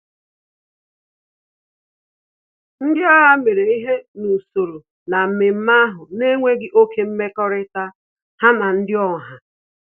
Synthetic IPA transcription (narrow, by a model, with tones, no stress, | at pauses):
n̩˦dɪ˦a˦ɦa˦me˨ɾe˨i˦ɦe˦nu˨so˨ɾo˨ | na˨m̩˨mɪ˨m̩˦ma˦a˦ɦʊ˨ne˦ŋʷe˦ɡɪ˦ʔo˦ke˦m̩˦me˦kɔ˦ɾɪ˦ta˦ | ha˦ma˨n̩˦dɪ˦ɔ˦˨ɦa˨